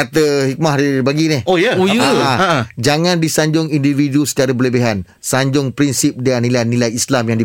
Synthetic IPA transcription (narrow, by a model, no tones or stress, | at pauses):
at̪əhik̚mahdibaɡinɪhojaojaad͡ʒaŋãndisaɲd͡ʒʊŋindividusə̥t͡ʃaɾəbələbeɦan | saɲd͡ʒʊŋpɾinsip̚dəanːilajnilajislamjaŋdi